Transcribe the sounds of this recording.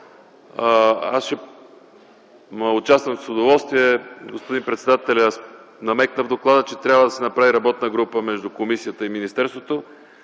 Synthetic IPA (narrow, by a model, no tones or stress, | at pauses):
a̰sʃɛ | məʊt͡ʃast̪vəmfsod̪ovɔlˠst̪viɛɡospod̪inpɾɛt̪sɛd̪at̪ɛlʲas | nɐmɛknəvd̪oklˠad̪ət͡ʃɛt̪ɾʲabvəd̪ɐsɛnɐpɾaviɾɐbɔt̪nəɡɾupəmɛʒd̪ʊkomisijət̪əiminist̪ɛɾst̪vot̪o